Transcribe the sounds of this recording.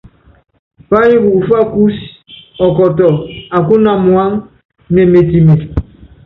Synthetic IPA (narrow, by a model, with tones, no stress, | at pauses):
pa˦ɲi˦bu˨u˨fa˦ku˦s | ɔ˨kɔ˨tɔ˨a˨ku˦na˦mwa˦ŋ | nɛ˨me˨ti˨me˨